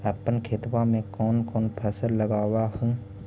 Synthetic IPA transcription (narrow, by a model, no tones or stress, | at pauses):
əpənkʰet̪wamẽkɔːnkɔːnpʰɛːsəlːəɡaːwaɦũː